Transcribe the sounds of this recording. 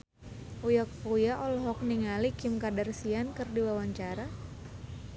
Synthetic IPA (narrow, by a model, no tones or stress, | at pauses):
ʔujɔk̚pujaʔɔlɔɦɔk̚niŋalikimkadarsiankɨrdiwawaɲt͡ʃaɾa